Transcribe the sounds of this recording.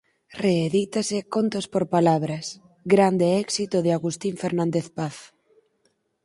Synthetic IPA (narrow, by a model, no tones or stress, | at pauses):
reːðit̪asɪkont̪ospoɾpalaβɾɐs | ɡɾand̪eɛksit̪ʊðɪaɣust̪iɱfeɾnãnd̪eθpaθ